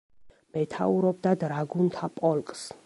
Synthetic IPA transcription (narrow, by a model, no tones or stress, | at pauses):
mɛt̪ʰauɾɔb̚d̪ad̪ɾaɡunt̪ʰapʼɔlkʼs